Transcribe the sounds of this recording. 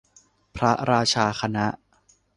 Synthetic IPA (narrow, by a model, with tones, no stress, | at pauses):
pʰɾa˦˥ɾaː˧t͡ɕʰaː˧kʰa˧na˦˥ʔ